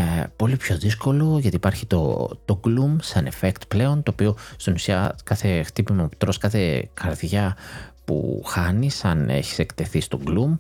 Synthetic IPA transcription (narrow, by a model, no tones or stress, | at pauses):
po̞lipço̞ðisko̞lo̞ʝɐt̪iːpɐɾçit̪o̞̰t̪o̞ɡlumsɐnefekt̪ple̞o̞nt̪o̞ːpio̞st̪inusiɐ̰kɐθe̞xt̪ipimɐpt̪ɾo̞skɐθe̞kɐɾðʝɐpṵxɐnisɐne̞̰çi̥se̞kt̪e̞θist̪o̞ɡlum